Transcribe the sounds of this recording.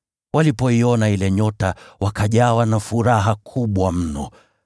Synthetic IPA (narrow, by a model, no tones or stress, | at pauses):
walipɔiɔnailɛɲɔtawakaʄawanafuɾaɦakʰuɓwam̩nɔ̰